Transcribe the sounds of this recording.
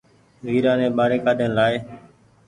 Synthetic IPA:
ʋiːɾãːnẽːɓaːɾeːkaːɗeːnlaːeː

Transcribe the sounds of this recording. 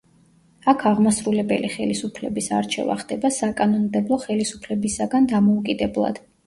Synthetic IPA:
akʰaʁmasɾulɛbɛliχɛlisupʰlɛbisa̰ɾt͡ʃʰɛ̰va̰χd̪̥ɛbasakʼanɔnmd̪ɛblˠɔχɛlisupʰlɛbisaɡand̪amɔukʼid̪ɛblˠa̰d̪̥

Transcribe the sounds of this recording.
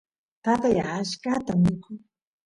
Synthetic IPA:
t̪at̪ajaʃkat̪amɪkʰʊŋ

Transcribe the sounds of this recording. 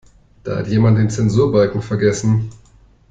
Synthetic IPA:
d̥a̰ːha̰tjeːmant̚d̥eːnt͡sɛnzuːɐbalkŋ̩fɛɐɡɛsn̩

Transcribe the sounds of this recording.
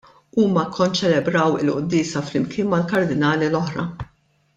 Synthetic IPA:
uːmɐkʰːɔnt͡ʃɛlɛbɾɐwɪ̰lʔʊ̰d̪ːɪːsɐflɪmkʰɪːnmɐlkɐɾd̪ɪnɐːlilɔħɾɐ̰

